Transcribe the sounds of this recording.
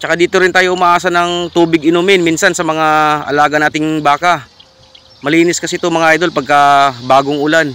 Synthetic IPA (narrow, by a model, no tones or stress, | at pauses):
t͡ʃɐkad̪iːt̪oɾɪnt̪aːjo̞ʔʊmaʔaːsɐnɐŋt̪uːbɪɡɪnumɪnmiːnsɐnsɐmɐŋaʔɐ̰laːɡɐnaːt̪ɪŋbaːka | mɐliːnɪskɐsɛt̪omɐŋaʔajd̪o̞lpɐɡ̚kɐbaːɡoŋʔʊlan